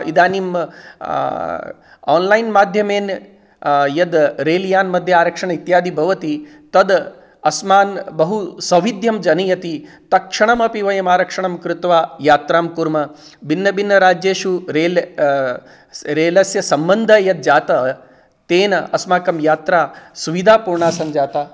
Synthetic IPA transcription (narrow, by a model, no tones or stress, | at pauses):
id̪aːnim | a̰ːnlɐjnmaːd̪ʱjɐmeːn | jɐd̪ɾeːljaːnmɐd̪ʱjɐaːɾɐkʂɐɳɐit̪jaːd̪ʱibʱɐʋɐt̪i | t̪ɐd̪ | ɐsmaːnbɐɦusɐʋid̪ʱjɐmd͡ʒɐnijɐt̪i | t̪ɐkʂɐɳɐmɐpiʋɐjɐmaːɾɐkʂɐɳɐmkɾɪt̪ʋaːjaːt̪ɾaːmkuɾmɐ | binːɐbinːɐɾaːd͡ʒjeːʃuɾeːl | ɾeːlɐsjɐsɐmbɐnd̪ʱɐjɐd̪̚d͡ʒaːt̪ɐ | t̪eːnɐɐsmaːkɐmjaːt̪ɾaːsuʋid̪ʱaːpuːɾɳaːsɐnd͡ʒaːt̪aː